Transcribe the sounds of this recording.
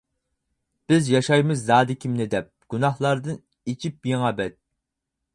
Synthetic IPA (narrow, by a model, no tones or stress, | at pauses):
b̥ɪzjɑʃɑjmɪzːɑːd̪ɪkʲʰimnɪd̪ɛp̚ɡ̥unɑhlˠɑɾd̪ɨn | it͡ʃʰip̚jeŋɑbɛt̪̚